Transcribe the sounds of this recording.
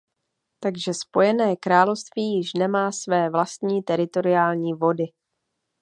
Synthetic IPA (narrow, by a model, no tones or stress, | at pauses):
t̪aɡʒɛspo̞jɛnɛːkɾaːlo̞fst̪viːjɪʃnɛmaːsvɛːvlast̪ɲiːt̪ɛɾɪt̪o̞ɾɪaːlɲiːvo̞dɪ